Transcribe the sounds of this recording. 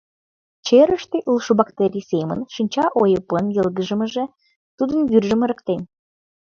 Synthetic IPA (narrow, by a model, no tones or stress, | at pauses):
t͡ɕeɾəʃt̪eʔulʃobɑkt̪eɾʲisemə̰nʃinʲt͡ɕɑʔojə̆pənjə̆lɣəʒə̆mə̆ʒĕ | t̪ud̪ənɡyrʒə̆mə̆ɾə̆k̚t̪en